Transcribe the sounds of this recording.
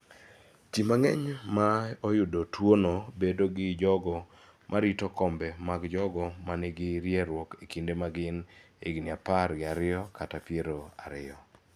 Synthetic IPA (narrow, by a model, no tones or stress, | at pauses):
t͡ʃimaŋɛɲmaojʊdotwonobedoɡɪd͡ʒɔɡɔ | mʔaɾitɔkɔmbɛmaɡd͡ʒɔɡɔmanɛɡɪɾjeɾwɔkekindemaɡɪn | ḛɡinɪapaɾɡɪaɾɪɔkatapjeɾoaɾɪɔ